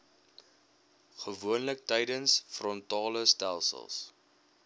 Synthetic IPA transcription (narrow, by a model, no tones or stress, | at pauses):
χəvuənlək̚tɛjdənsfrɔntɑːləstælˠsə̰lˠs